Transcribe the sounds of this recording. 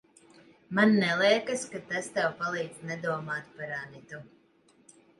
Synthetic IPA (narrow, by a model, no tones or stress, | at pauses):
manːɛlˠiɛkaskat̪ast̪ɛwpalˠiːd̪znɛd̪uɔmaːt̪paɾanit̪u